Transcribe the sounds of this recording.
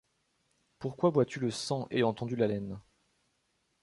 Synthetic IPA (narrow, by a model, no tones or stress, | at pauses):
puʁkwavwat̪yləsɑ̃ʔeɑ̃ɑ̃t̪ɑ̃d̪ylalɛn